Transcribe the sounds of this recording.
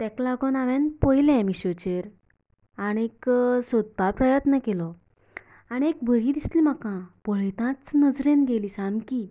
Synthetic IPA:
t̪ɛklaɡonaʋɛnpəjlɛ̃miɕot͡ɕeɾ | aɽ̃ieksod̪̚bapɾəjət̪nəkelɔ | aɽ̃iek̚bʱəɾiːd̪ist̪liːm̤akãbəɭet̪ãt͡snəd͡zɾenɡeliːsãmkiː

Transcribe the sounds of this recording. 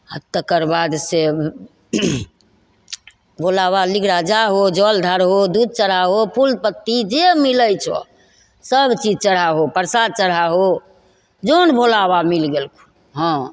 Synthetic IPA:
hət̪ːəkəɾbad̪se | bʱolaβaliɡɾad͡ʒaɦod͡ʒɔld̪ʱaɾɦod̪ud̪̚t͡ʃəɽaɦopʰulpət̪ːid͡ʒemiləjt͡ʃʰɔ̰ | səbt͡ʃid͡ʒt͡ʃəɽ̤aɦopəɾsad̪̚t͡ʃəɽaɦo | d͡ʒonbʱolabamilɡelkʰu̥ | ɦɔ̃

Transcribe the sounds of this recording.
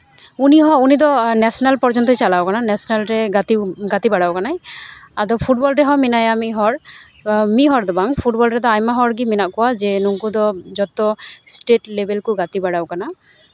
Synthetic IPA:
uniɦɔunid̪ɔnɛsɔnalpɔɾd͡ʒɔnt̪ɔit͡ʃalawkananɛsɔnalɾɛɡat̪iɡat̪ibaɽawkanajad̪ɔpʰuʈbɔlɾɛɦɔminajamiɦɔɾ | miɦɔɾd̪ɔbaŋpʰuʈ̚bɔlɾɛd̪ɔajmaɦɔɾɡiminaʔkɔwad͡ʒenuŋkud̪ɔd͡ʒɔt̪ɔsʈeʈlebelkuɡat̪ibaɽawkana

